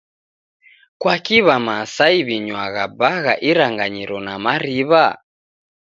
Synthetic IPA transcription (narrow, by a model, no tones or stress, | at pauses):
kwakiβamasaiβiɲwaɣabaɣaʔiɾaŋɡaɲiɾɔnamaɾiβa